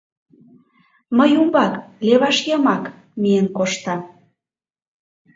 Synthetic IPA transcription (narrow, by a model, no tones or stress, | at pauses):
məjumbɑkleβɑʃjɤmɑk | mijənkoʃt̪ɑ